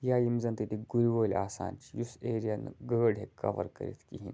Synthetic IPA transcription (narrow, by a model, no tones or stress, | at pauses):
jaimzənt̪it̪ʰiɡuɾʋolʲaːsa̰nt͡ɕijuseɾijanɡəɽɦekə̰ʋə̰ɾkə̰ɾḭt̪ʰkiɦin